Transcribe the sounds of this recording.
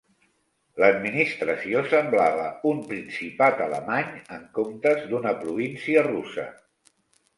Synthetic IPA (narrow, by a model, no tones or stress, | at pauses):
ləd̪minist̪ɾəsiosəmblaβə̰umpɾinsipat̪ələ̰maɲəŋkomt̪əzd̪unəpɾuβinsiərusə̰